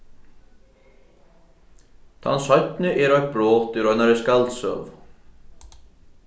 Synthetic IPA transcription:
θʰa̰nːsœjt̪nʏʔɛɾœk̚bɾɔːt̪ʏɾœnaɾɛskalt̪sœ̰ːv

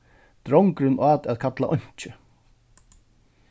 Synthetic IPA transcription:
t̪ɾɔŋkɾɪnʔaːt̪ɛðkʰat̪la̰ʔɔɲ̥t͡ʃɪ

